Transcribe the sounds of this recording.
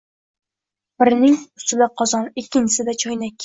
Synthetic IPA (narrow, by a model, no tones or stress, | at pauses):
b̥ɪɾnɪŋʊ̥st̪ɪlæqʰɒzɑnɪkʲʰːɪnt͡ʃʰɪ̥sɪd̪ɛt͡ʃʰɒjnɛkʲʰː